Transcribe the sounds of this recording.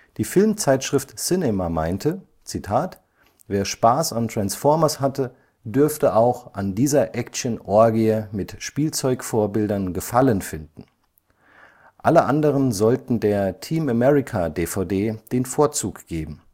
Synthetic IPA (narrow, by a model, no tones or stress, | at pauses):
d̥iːfɪlmt͡saɪtʃʁ̥ɪftsɪnɛmama̰ɪntʰə | t͡sitʰaːt | veːɐʃpaːsantʁ̥ansfɔɐmɐshatə | dʏɐftəʔaʊxʔandiːzɐʔɛkʃənʔɔɐɡeɐmɪtʃpiːlt͡sɔʏkfoːɐbɪldɐnɡəfalənfɪndn̩ | ʔaləʔandəʁ̞ənzɔltn̩deːɐtʰiːmamɛʁɪkʰadeːfaʊdeːd̥eːnfoːɐt͡suːkɡ̥eːbm̩